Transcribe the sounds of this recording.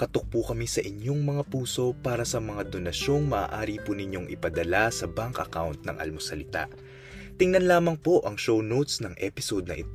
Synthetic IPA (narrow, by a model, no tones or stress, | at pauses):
kɐt̪ok̚pukɐmisɐʔɪɲjo̞ŋmɐŋapuːso̞paːɾɐsɐmɐŋad̪o̞nɐʃo̞ŋmɐʔa̰ːʔaːɾipunɪɲo̞ŋʔɪ̰pɐd̪ɐlasɐbaŋkɐ̰kawnt̪̚nɐ̰ŋʔɐ̰lmosɐlɪt̪a̰ | t̪ɪŋnɐnlaːmɐŋpo̞ʔɐŋʃo̞wnowt̪snɐŋʔɛpɪso̞d̪̚nɐʔɪ̰t̪